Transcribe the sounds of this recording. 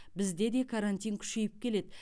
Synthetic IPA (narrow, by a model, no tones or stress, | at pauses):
bɪzd̪e̞d̪e̞kʰɑɾant̪ʲijŋkʲʰʏ̥ʃe̞jɪp̚kʲʰe̞le̞d̪ɪ